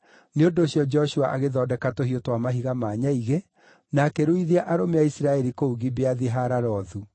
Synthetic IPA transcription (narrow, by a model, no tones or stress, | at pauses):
neondoːɕjɔd͡ʒɛɔɕua̰ʔaɣeðɔdɛkatoɦijotwamaɦiɣamaːɲaiɣe | nakɛɾoiðiaʔaɾomeaisiɾaɛɾikouɣibeaðiɦaɾaɾɔːðu